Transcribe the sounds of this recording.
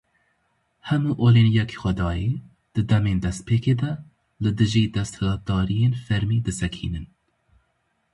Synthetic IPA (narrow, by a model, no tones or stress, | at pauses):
hɛmuːʔoːliːnijɛkʰi̥xʷɛd̪ɑːjeː | d̪̥ɨd̪ɛmeːnd̪ɛst̪̚pʰeːkeːd̪ɛ | lɨd̪ɨʒiːd̪ɛst̪hɛlɑːt̪̚d̪ɑːɾijeːnfɛɾmiːd̪ɨsɛkʰḭːnɨn